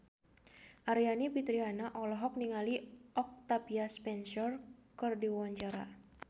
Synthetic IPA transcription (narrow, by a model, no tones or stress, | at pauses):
ʔaɾianipit̪ɾianaʔɔlɔɦɔk̚niŋaliɔk̚t̪apiaspɛnsɔrkɨrdiwaɲd͡ʒaɾa̰